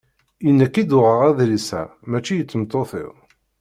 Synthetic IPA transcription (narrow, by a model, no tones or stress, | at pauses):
ənːækid̪ʊʁəʁæðlisæ̰mæt͡ʃːijət͡sːəmt̪ːoθɪ̰ðˤ